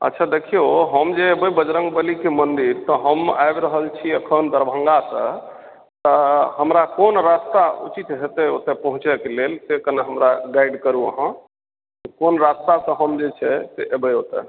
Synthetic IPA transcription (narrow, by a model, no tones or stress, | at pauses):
ə̰tːʃʰad̪ekʰijoɦəmd͡ʒeebəjbəd͡ʒɾəŋɡbəlikemənd̪iɾt̪ɔɦəmajbɾəɦəlt͡ʃʰiəkʰənd̪əɾbʱə̃ŋɡasə̰̃ | t̪əɦəmɾakonɾast̪aṵt͡ʃit̪ɦet̪ɛot̪epəɦũt͡ʃɛkelelsekənaɦəmɾaɡaiɖkəɾuə̰ɦə̃ | konɾast̪asə̃ɦəmd͡ʒet͡ʃʰɛseʔebəjot̪ḛ